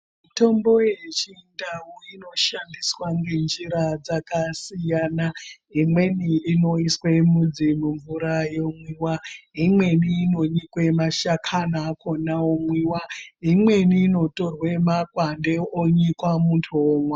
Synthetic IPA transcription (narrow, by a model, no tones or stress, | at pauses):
mmito̞mbo̞jet͡ʃindaɦuino̞ʃandiswaŋɡe̞nd͡ʒiɾad͡zakasijanaɦimwe̞niino̞iswe̞mud͡zimuɱvuɾajomwiwaɦimwe̞niːno̞ɲikwemaʃakʰanakonaomwiwaɦimwe̞niːno̞to̞rwe̞makwandeoɲikwamuntʰuomwa